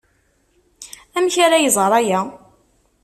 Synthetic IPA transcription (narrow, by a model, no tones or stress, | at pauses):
æmçaɾajəzˤɾˤæjæ